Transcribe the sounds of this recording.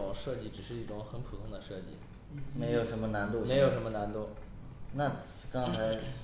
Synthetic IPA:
ʊ˨˩ŋʂɤ˥˧t͡ɕi˥˩ʈ͡ʂɻ̩˨˩ʂɻ̩˥˧i˥˩ʈ͡ʂʊ˧˥ŋxə˧˥npʰu˨˩t̪ʰʊ˧˥ŋd̪ə˧ʂɤ˥˧t͡ɕḭ˥˩ | me˧˥ɪjo˨˩ʊʂə˧˥nmə˧na˧˥nt̪u˥˧me˧˥ɪjo˨˩ʊʂə˧˥nmə˧na˧˥nt̪u˥˩ | na˥˩ | kɑ˥ŋt͡sʰa˧˥ɪ

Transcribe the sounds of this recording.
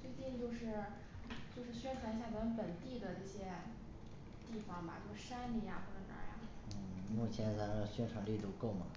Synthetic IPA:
t͡swe˥˧ɪt͡ɕi˥˧nt͡ɕjo˥˧ʊʂɻ̩˥˩ | t͡ɕjo˥˧ʊʂɻ̩˥˩ɕɥɛ˥nʈ͡ʂʰwa˧˥ŋɕ̬ja˥˩wə˧˥npə˨˩nt̪i˥˩d̪ə˩ʈ͡ʂɤ˥˩ɕjɛ˥ | t̪i˥˩fɑ˩ŋmɐ̰˨˩t͡ɕjo˥˧ʊʂɻ̩˥˧ʂa˥nli˨˧˩ja̰˧xwɔ˥˩ʈ͡ʂə˧˥nə̰˧˥ja̰˨˩ | n̩˥˩mu˥˩t͡ɕʰjɛ˧˥nt͡sa˧˥˧ɕɥɛ˥nʈ͡ʂʰwa˨˩˥ŋli˥˩lu˥˩ko˥˩ʊmɐ˨˩

